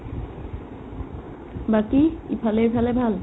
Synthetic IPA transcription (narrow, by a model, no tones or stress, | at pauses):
bakiipʰalepʰalebʱal